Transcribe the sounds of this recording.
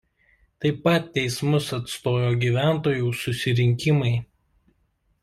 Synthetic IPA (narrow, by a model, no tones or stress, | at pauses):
t̪ɐɪpːɐt̪ʲːɛɪsmʊsɐt̪st̪oːjoːɡʲiːʋʲæˑnt̪oːjuːsʊsʲɪɾʲɪŋʲkʲɪmɐɪ